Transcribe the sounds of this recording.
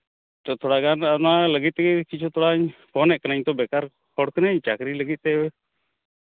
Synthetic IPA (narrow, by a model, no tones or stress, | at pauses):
ɔt̪ʰɔɽaɡananaləɡit̪̚t̪ɛɡɛkit͡ʃʰut̪ʰɔɽaɲpɔnɛʔ̚kənaɲt̪ɔbɛkaɾ | hɔɽkənaɲt͡ʃakɾiləɡit̪̚t̪ɛbɛ